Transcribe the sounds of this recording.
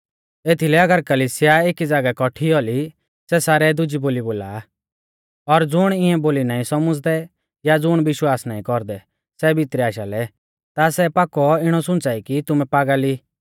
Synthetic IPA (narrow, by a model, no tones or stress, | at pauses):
eːt̪ʰilɛɐɡəɾkɐliːsɪjaeːkid͡zaːɡakɔʈʰiɔli | sɛsaːɾɛd̪ʊd͡ʒiboːliboːla̰ | ɔɾd͡zʊɽ̃ɪ̃ɛ̃boːlinaːĩsɔmʊd͡zd̪ɛ | jad͡zʊɽ̃bɪʃwaːsnaːĩkɔɾd̪ɛ | sɛbʱit̪ɾiaːʃalɛ | t̪asɛpaːkːɔɪɽ̃ɔsʊ̃nt͡saːikit̪ʊmɛ̃paːɡali